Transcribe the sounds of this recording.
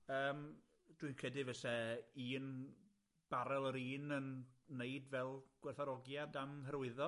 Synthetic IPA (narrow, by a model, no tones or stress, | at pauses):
əːm | d̥winkʰədɨvɛsɛiːn | b̥aɾɛlˠəɾiːnənːeɨdvɛlˠɡ̥wɛrθaɾɔɡjadamɦəɾwɨðɔ